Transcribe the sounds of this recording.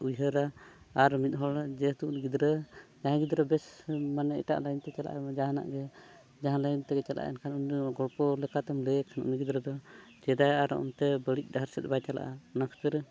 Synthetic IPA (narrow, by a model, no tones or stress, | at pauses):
ujɦəɾa | aɾmit̪̚ˀɦɔad͡ʒɛt̪uʔnɡid̪ɾəd͡ʒaɦãɡid̪ɾəbɛsmanɛɛ̰ʈa̰ʔlajnt̪ɛt͡ʃala̰ʔad͡ʒaɦana̰ʔɡɛ | d͡ʒaɦãlajnt̪ɛɡɛt͡ʃalʔa̰ʔa̰ɛnkʰanuɡɔɽpɔlɛkat̪ɛmlɛkʰanṵʔniɡid̪ɾəd̪ɔ | d͡ʒɛd̪ajaɾɔ̰ɔ̰nt̪ɛbəɽic̚ˀdaɦaɾsɛt̪̚bajt͡ʃala̰ʔanakʰt̪ɛɾ